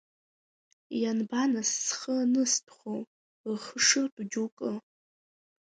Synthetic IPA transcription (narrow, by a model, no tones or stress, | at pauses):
janbanasːχənɨstʰχʷow | rχəʂɨrtʼud͡ʒukʼɨ